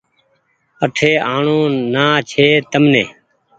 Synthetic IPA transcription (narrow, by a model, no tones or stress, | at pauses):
əʈʰeːaːɳõːnaːt͡ʃʰeːt̪əmnẽː